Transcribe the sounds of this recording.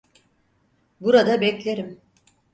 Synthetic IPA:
buɾad̪abɛclʲeɾim

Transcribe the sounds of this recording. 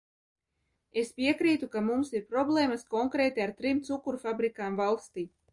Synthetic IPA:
e̞spʲiɛkɾiːt̪ukamumsiɾpɾɔblˠeːmaskɔŋkɾeːt̪iaɾt̪ɾimt̪sukuɾfabɾikaːmvalˠst̪iː

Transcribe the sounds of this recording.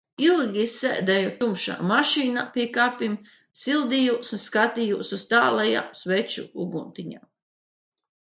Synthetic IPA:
ilˠɡʲisɛ̰ːd̪ɛjɔt̪umʃa̰maʃiːnapiɛkaːpim | silˠd̪ijuːsunskat̪ijuːsust̪aːlˠɛja̰ːsvɛt͡ʃṵuɡunt̪iɲa̰ː

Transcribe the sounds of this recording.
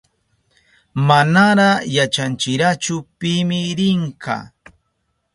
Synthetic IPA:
manaɾajat͡ʃant͡ʃɪɾat͡ʃʊpɪmɪɾɪɴkɑ̰

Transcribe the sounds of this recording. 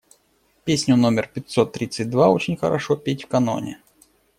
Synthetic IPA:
pʲesʲnʲʊnomʲɪrpʲɪt̪ʲsot̪ːɾʲit̪sɨt̚ʲd̪vaot͡ɕɪnʲxə̰ɾɐ̰ʂopʲetʲfkɐno̞̰nʲɪ̰

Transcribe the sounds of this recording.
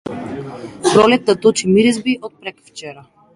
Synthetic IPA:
pɾɔlɛt̪̚nat̪ut͡ʃimiɾizbiʔɔt̪̚pɾɛkft͡ʃɛɾa

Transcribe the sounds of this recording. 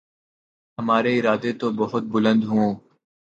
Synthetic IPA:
ɦəmaːɾeːɪɾaːd̪et̪oːbəɦʊt̪̚bʊlə̃nd̪ɦũː

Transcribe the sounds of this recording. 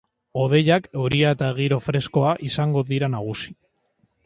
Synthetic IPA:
o̞ð̞e̞ʎakewɾiaet̪aeɣ̞iɾo̞fɾe̞sko̞aʔisaŋɡo̞ðiɾanaɣ̞usi̥

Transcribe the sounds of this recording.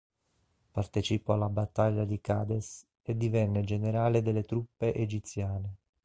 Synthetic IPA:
part̪ɛt͡ʃipoalːabat̪ːaʎːad̪ikaːd̪es | ed̪ivɛnːed͡ʒeneɾaːled̪elːet̪ɾupːeʔed͡ʒit̪sjaːne

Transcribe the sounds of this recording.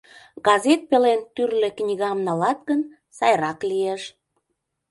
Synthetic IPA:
ɡɑzet̪̚pelent̪yrlĕknʲiɣɑmnɑlɑt̪ɣən | sɑjɾɑklieʃ

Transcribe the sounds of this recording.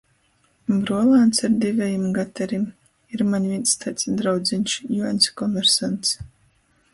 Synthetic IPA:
bɾuɔlˠaːnt̪saɾd̪ivʲɛjimɡat̪ɛɾim | iɾmanʲvʲinst̪ʰat̪sd̪ɾawd̪zinʲʃjuanʲskɔmvɛɾsant̪s

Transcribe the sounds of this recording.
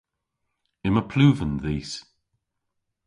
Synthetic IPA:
ɪməpʰl̥uːvə̃nðiːs

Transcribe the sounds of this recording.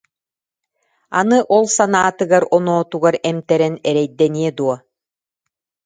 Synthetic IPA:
a̰nɯʔɔlˠsanaːt̪ɯɡaɾɔnɔːt̪uɡaɾɛmt̪ɛɾɛnɛɾɛjd̪ɛniɛd̪uɔ

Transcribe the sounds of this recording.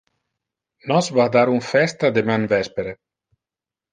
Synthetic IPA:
nɔsvad̪aɾuɱfɛst̪ad̪emanvɛspeɾe

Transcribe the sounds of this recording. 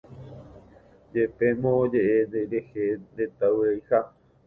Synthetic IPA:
d͡ʒepemõːd͡ʒeʔeeɾehed̪et̪awɾejha

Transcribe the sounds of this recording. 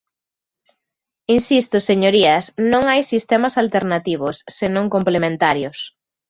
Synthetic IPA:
insist̪ʊseɲoɾiɐsnõŋajsist̪ɛmɐsalt̪eɾnat̪iβ̞ʊsːenõŋkomplemẽnt̪aɾjʊs

